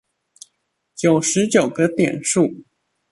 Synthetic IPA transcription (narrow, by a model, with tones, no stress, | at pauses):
t͡ɕjo˨˩ʊʂɻ̩˧˥t͡ɕjo˨˩ʊɡə˦t̪jɛ˨˩nʂu˥˩